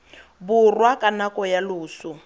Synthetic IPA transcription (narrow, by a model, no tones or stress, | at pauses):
bʊrwakʼanakɔjalʊːsʊ